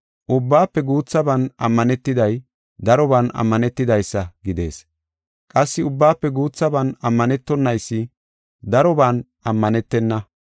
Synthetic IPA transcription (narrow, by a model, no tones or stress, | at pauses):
ʔʊbːaːpːɛɡuːt͡sːɐbɐnɐmːɐnɛt̪ːɪd̪ɐj | d̪ɐɾɔbɐnɐ̰mːɐnɛt̪ːɪd̪ɐjsːɐɡɪd̪e̞̰ːs | kʼɐsːɪʊbːaːpːɛɡuːt͡sːɐbɐnɐmːɐnɛt̪ːɔnːɐjsːɪ | d̪ɐɾɔbaːn | ʔɐmːɐnɛt̪ːɛnːɐ